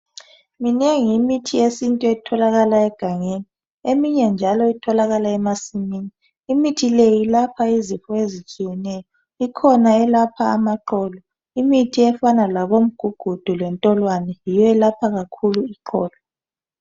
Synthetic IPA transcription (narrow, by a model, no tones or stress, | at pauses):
mineŋiimitʰiesintʼuɛtʰɔlaɣalaɛɡ̥ʱaŋeni | emiɲɛnd͡ʒʱalɔitʰɔlaɣalaɛmasimiːniː | mitʰilejilapʰaizifɔezit͡ʃʼijɛnɛjɔ | ikʰɔnaɛlapʰaːmaǃɔːlɔ | imitʰiɛfanalaβom̩ɡ̥ʱuɡ̥ʱud̥ʱulwɛntʼɔlwanɛjiwɛlapʰaɣakʰuluiǃʰɔːla